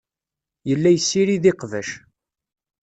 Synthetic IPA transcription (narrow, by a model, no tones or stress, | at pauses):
jəlːæjsːiɾiðiqvæʃ